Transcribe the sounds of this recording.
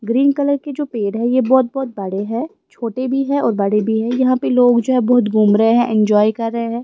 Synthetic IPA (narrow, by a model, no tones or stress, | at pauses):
ɡɾiːnkɐləɾked͡ʒoːpeːɖɦɛ̃jebɔːt̪̚bɔːt̪̚bɐɽeɦɛ̃ː | t͡ʃʰoːʈebʱiɦɛ̃ʔɔːɾbɐɽebʱiɦɛ̃jɐɦãpeloːɡd͡ʒoːɦɛbɔːʊt̪ɡʱuːmɾəeɦɛ̃ʔɪ̃nd͡ʒɔːikɐɾːəɦeɦɛ̃ː